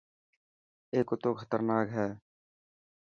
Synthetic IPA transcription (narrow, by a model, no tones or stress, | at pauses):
eːkot̪okʰə̥t̪əɾnaːkɦɛː